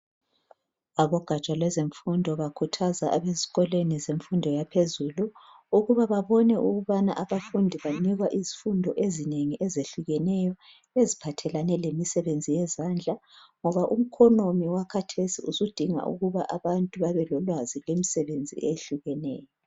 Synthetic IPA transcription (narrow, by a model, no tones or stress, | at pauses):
aβɔɡ̥ʱat͡ʃʼalwɛzeɱfundʱɔβakʰutʰazaʔaβezikɔlenizeɱfundʱɔjapʰezuluː | ɣuβaβaβɔnɛʔuɣuβana̰ʔaβafundʱiβaniɣwaʔizifundʱɔʔezineŋiʔɛzeɬuɣɛnɛjɔ | ezipʰatʰɛlanɛlemisɛβend͡zʱijɛzand͡ɮʱaŋɔβaʔum̩kʰɔnomiwakʰatʰesiṵsud̥ʱiŋa̰ʔṵɣuβaʔaβantʼuβaβɛlɔlwazilemisɛβend͡zʱḭʔeɬuɣɛnɛːjɔ